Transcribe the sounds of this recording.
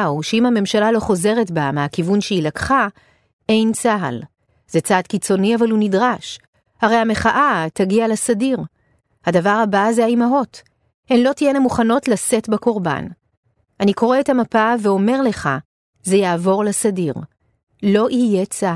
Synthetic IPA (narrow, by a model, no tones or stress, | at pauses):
uʃeimhame̞mʃalalo̞χo̞ze̞ʁetbameakivunʃeilakχa | e̞jnt͡saɦa̰l | zet͡sadkit͡so̞niavalunidʁaʃ | haʁe̞jame̞χaʔataɡialasadiʁ | hadavaʁhabazeaimaɦo̞t | henlo̞tijenamuχano̞tlase̞tbako̞ʁba̰n | ʔaniko̞ʁe̞ethamapaveo̞me̞ʁle̞χa | zejaːvo̞ʁlasadiʁ | lo̞ʔijet͡sa